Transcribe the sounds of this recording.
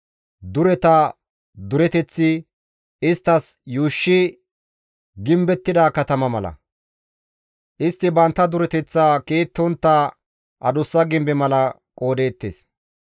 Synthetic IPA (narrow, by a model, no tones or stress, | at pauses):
d̪ʊɾɛt̪ɐ | d̪ʊɾɛt̪ɛt͡sːɪ | ɪst̪ːɐsjuːʃːɪ | ɡɪmbɛt̪ːɪd̪aːkɐt̪ɐmɐmɐlɐ̰ | ʔɪst̪ːɪbɐnt̪ːɐd̪ʊɾɛt̪ɛt͡sːaːkeːt̪ːɔnt̪ːaː | ʔɐd̪ʊsːɐɡɪmbɛmɐlɐ | kʼo̞ːd̪e̞ːt̪ːḛs